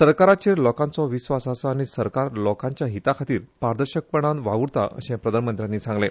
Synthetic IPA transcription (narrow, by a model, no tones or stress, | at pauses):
səɾkaɾat͡ɕeɾlɔkãnt͡sɔʋisʋasasaaːɽ̃isəɾkaɾlɔkaɲt͡ɕjaɦit̪akʰat̪iːɾpaɾd̪əɾɕək̚pəɳ̃anʋaʋuɽt̪a̰ʔə̰ɕẽpɾəd̪ʱanmənt̪ɾjanːiːsãŋɡle